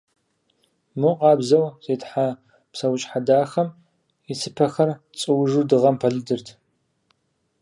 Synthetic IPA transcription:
mɨqʼɑːbzɐwz̥eːtħa | psɐwʊt͡ʃʼħadaːxɐm | isʰɨpʰɐxɐr | t͡sʼɨwʐudɨʁɐmpʰɐɮɨdɨrtʰ

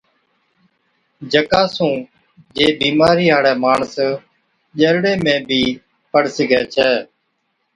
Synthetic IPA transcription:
d͡ʒəkaːsũː | d͡ʒeːbiːmaːɾiːɦaːɽɛːmaːɳs | ʄəɾɽeːmẽːbʱiː | pəɽsɪɡɛːt͡ʃʰɛː

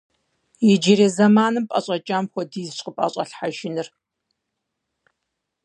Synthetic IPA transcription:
jɪd͡ʒiɾeːzɐmaːnɨmpʼɐ̰ɕʼɐt͡ʃʼaːmxʷɔdiːzɨɕʼqʼəpʼa̰ːɕʼɐɬħaʒɪnɨr

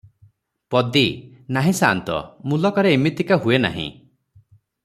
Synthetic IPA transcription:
pɔd̪inaɦĩsant̪ɔ̰mulɔkɔɾeːmit̪ikaɦuena̰ɦḭ̃

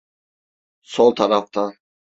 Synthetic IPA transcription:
sɔlˠt̪ʰaɾaft̪ʰa

